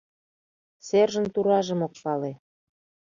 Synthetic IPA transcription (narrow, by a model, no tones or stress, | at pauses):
serʒə̆nt̪uɾɑʒə̆mok̚pɑle